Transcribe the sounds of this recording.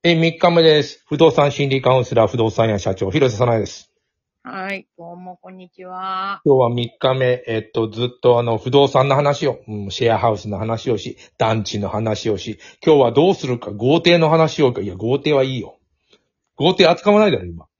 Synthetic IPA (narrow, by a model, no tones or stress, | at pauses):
emʲikːame̞d̪e̞sɨ̥ɸɯ̟d̪o̞ːsãɰ̃ɕĩnʲɾʲikãɯ̃sɨɾaɸɯ̟d̪o̞ːsãjaɕat͡ɕo̞ːçiɾo̞s̬asanaid̪e̞sɨ̥ | haid̪oːmokõɲ̟ːit͡ɕiβakʲo̞ːβamʲikːame̞ʔːt̪ːo̞d͡zɨt̪ːo̞ano̞ɸɯ̟d̪o̞ːsãnːo̞ɦanaɕio̞ɯ̟̃ɕeaɦaɯ̟sɨno̞hanaɕio̞ɕi | d̪̥ãɲ̟t͡ɕino̞hanaɕio̞ɕikʲo̞ːβad̪o̞ːsɨɾɯ̟kaɡo̞ːt̪e̞ːno̞ɦanaɕio̞kaiaɡo̞ːt̪e̞ːβaiːjo̞ | ɡ̥o̞ːt̪e̞ːat͡sɨ̥kaβanaid̪aɾoima